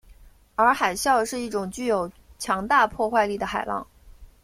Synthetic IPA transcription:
ə˞˧˥xa˨˩ɪɕjɑ˥˧ʊʂɻ̩˥˧i˥˩ʈ͡ʂʊ˨˩ŋt͡ɕy˥˩jo˨˩ʊ | t͡ɕʰjɑ˧˥ŋt̪a˥˧pʰwɔ˥˧xwa˥˧ɪli˥˩d̪ə˩xa˨˩ɪlɑ̰˥˩ŋ

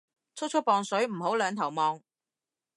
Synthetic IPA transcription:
t͡sʰʊ˥t͡ʃʰʊ˥k̚pɔː˨˧ŋsɵ˨˥ɥm̩˨˩ɦo˨˥wlœː˨˧ŋt̪ʰɐ˨˩wmɔː˨˧ŋ

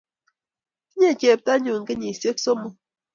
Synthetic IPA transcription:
ɲe˦˨t͡ʃe˨p̚ta˦ɲu˨ŋ̩˨ke˦ɲi˨se˦k̚so˦mo˨

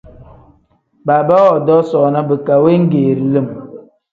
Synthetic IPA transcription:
ba˨ba˦wɔ˨dɔ˦sɔː˨na˦bə˨ka˨we˦ŋ̩˦ɡeː˨ɾi˨lə˦˨m

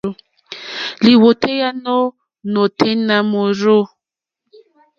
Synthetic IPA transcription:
li˨wo˨tʰe˦ja˦no˦ | no˨tʰe˦na˦mo˨ɾo˦

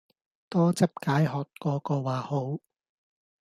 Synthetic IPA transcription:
t̪ɔː˥t͡sɐ˥p̚kaː˨˥jhɔː˨˩t̚kɔː˧kɔː˧waː˨˩ho˨˥w

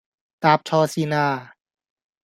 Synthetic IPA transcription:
t̪aː˧p̚t͡ɕʰɔː˧si˧naː˧˩

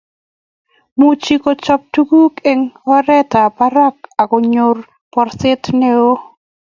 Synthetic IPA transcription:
mu˨t͡ʃi˦ko˨t͡ʃɔ˦p̚tu˦ɡu˦ke˦ŋwa˦ɾɛ˦ta˨pa˦ɾa˦k̚a˨kɔ˨ɲo˨r | pɔ˨rsɪ˦tne˦o˦

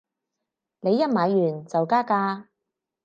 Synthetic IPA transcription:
ne˨˧jːɐ˥t̚maː˨˧jːyː˨˩nt͡sɐ˨wkaː˥kaː˥

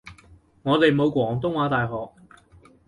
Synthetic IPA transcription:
ŋɔː˨˧t̪e˨jmo˨˧wkʷwɔː˨˩ŋt̪̬ʊ˥ŋwaː˨˥t̪aː˨jɦɔː˨k̚

